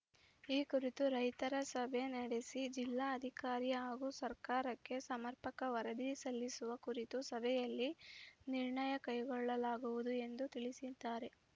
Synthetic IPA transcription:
iːkuɾit̪uɾɐjt̪ɐɾɐsɐbʱe̞nɐɽesid͡ʒilːaːɐd̪ʱikaːɾijɐaːɡusɐɾkaːɾɐkːe̞sɐmɐɾpɐkɐʋɐɾɐd̪isɐlːisuʋɐkuɾit̪usɐbʱɛjɐlːiniɾɳɐjɐkɐjɡɔɭːɐlaːɡuʋud̪ue̞nd̪ut̪iɭisid̪aːɾe̞

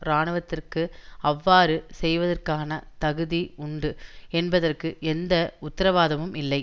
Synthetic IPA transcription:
ɾaːɳɯʋɐt̪ːɪrkɯɐʋːaːɾɯsɛjʋɐðɐrkaːnɐt̪ɐɣɯðiʊɳɖɯɛnbɐðɐrkɯʔɛnd̪ɐʊt̪ːɐɾɐʋaːðɐmɯmɪlːɐɪ

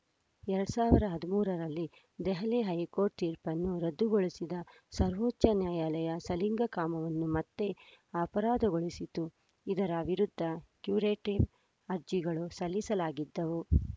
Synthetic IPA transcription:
ɛɾɐɽusaːʋiɾɐɦɐd̪umuːɾɐɾɐlːi | d̪ɛɦɐleɦɐjkoːɾʈt̪iːɾpɐnːuɾɐd̪ːuɡoɭisid̪ɐ | sɐɾʋoːtːɐnjaːjaːlɐjɐsɐliŋɡɐkaːmɐʋɐnːumɐt̪ːe̞aːpɐɾaːd̪ɐɡoɭisit̪u | id̪ɐɾɐʋiɾud̪ʱːɐkjuːɾeːʈiʋ | ɐɾd͡ʒiɡɐɭusɐlːisɐlaːɡid̪ːɐʋu

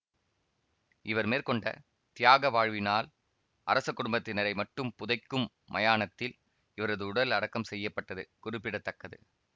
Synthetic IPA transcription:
ʔɪʋɐɾmeːɾkɔɳɖɐ̰ | t̪ɪjaːɣɐʋaːɻʋɪnaːl | ʔɐ̰ɾɐsɐkːʊɽʊmbɐt̪ːɪnɐɾɐɪmɐʈːɯmpʊðɐɪkːɯmːɐ̰jaːnɐt̪ːɪl | ɪʋɐɾɐðɯʊɽɐlɐɽɐkːɐmsɛjːɐpːɐʈːɐðɯ̰kʊrɪpːɪɽɐt̪ːɐkːɐðɯ̰

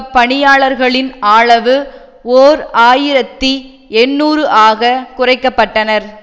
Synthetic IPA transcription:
pːɐɳɪjaːɭɐɾɣɐɭɪnaːɭɐʋɯ | oːɾaːjɪɾɐt̪ːi | ɛnːuːɾɯʔaːɣɐkʊrɐɪkːɐpːɐʈːɐnɐɾ

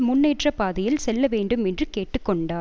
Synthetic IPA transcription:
mʊnːeːʈrɐpaːðɐjɪlsɛlːɐʋeːɳɖɯmɛndrɯkeːʈːɯkːɔɳɖaː

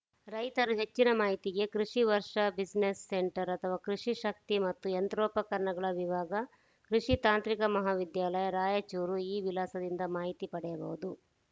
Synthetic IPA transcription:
ɾɐjt̪ɐɾuɦet͡ʃːinɐmaːɦit̪iɡe̞kɾuʂiʋɐɾʂɐbid͡ʒnesːeɳʈɐɾɐt̪ʰɐʋaːkɾuʂiʃɐk̚t̪imɐt̪ːujɐnt̪ɾɔːpɐkɐɾɐɳɐɡɐɭɐʋiʋaːɡɐ | kɾuʂit̪aːnt̪ɾikɐmɐɦaːʋid̪jaːlɐjɐɾaːjɐt͡ʃuːɾuiːʋilaːsɐd̪ind̪ɐmaːɦit̪ipɐɽɛjɐbɐ̰ʋud̪u

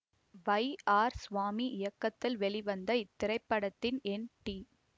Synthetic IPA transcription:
ʋɐɪaːɾsʋaːmiʔɪjɐkːɐt̪ːɪlʋɛɭiʋɐnd̪ɐɪt̪ːɪɾɐɪpːɐɽɐt̪ːɪnɛnʈi

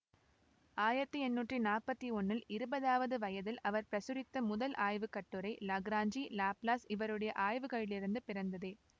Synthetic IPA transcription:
aːjɪɾɐt̪ːɯɛnːuːʈrinaːrpɐt̪ːiɔnːɪlɪɾɯbɐðaːʋɐðɯʋɐjɐðɪlʔɐʋɐɾpɾɐsɯɾɪt̪ːɐmʊðɐlʔaːjʋɯkɐʈːɯɾɐɪlɐɡɾaːɲd͡ʒilaːplaːsɪʋɐɾɯɽɐjɐʔaːjʋɯɣɐɭɪlɪɾɯnd̪ɯpɪɾɐnd̪ɐðeː

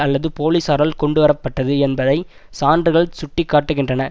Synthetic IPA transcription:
ɐlːɐðɯpoːliːsɐːɾɐlkɔɳɖɯʋɐɾɐpːɐʈːɐðɯɛnbɐðɐɪ | saːndrɯɣɐɭsʊʈːɪkːaːʈːɯɣɪndrɐnɐ

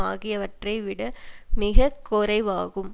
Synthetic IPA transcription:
aːɣɪjɐʋɐʈrɐɪʋɪɽɐmɪɣɐkːɔɾɐɪʋaːɣɯm

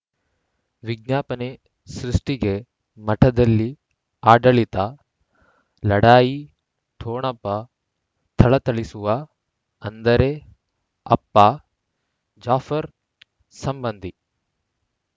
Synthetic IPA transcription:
ʋiɡ̚njaːpɐne | sɾiʂʈiɡe | mɐʈʰɐd̪ɐlːi | aːɖɐɭit̪ɐ | lɐɽaːji | ʈʰoːɳɐpːɐ | t̪ʰɐɭɐt̪ɐɭisuʋɐ | ɐnd̪ɐɾe | ɐ̰pːɐ | d͡ʒaːfɐɾ | sɐmbɐnd̪ʱi

